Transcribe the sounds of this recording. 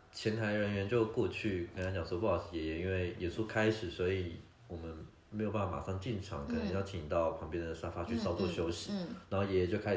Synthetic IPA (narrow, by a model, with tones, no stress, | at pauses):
t͡ɕʰjɛ˧˥nt̪ʰa˧˥ɪɻə˧˥nɥɛ˧˥nt͡ɕjo˥˧ʊkwɔ˥˧t͡ɕʰy˥˩kɑ˥ŋkʰt͡ɕɑ˨˩ŋswɔ˥˧pʂi˨˥˩jɛ˧˥jɛ˧˥i˥nwe˥˩ɪjɛ˨˩su˥˩kʰa˥ɪʂɻ̩˨˩swɔ˧˥i˨˩ | wɔ˨˩mə˦n | me˧˥jo˨˩pa˥˩fa˧˩ma˨˩ʂɑ˥˧ŋt͡ɕi˥˩nʈ͡ʂʰɑ˧˥ŋkʰə˨˩nə˧˦ŋjʊt͡ɕʰi˨˩t̪ɑ˥˩ʊpʰɑ˧˥ŋpjɛ˥nd̪ə˨ʂa˥fa˥t͡ɕʰy˥˧sɑ˥ʊt͡swɔ˥˩ɕjo˥ʊɕi˨˦na˧˥nxo˥˩jɛ˧˥˨t͡ɕjʊkʰa˥˩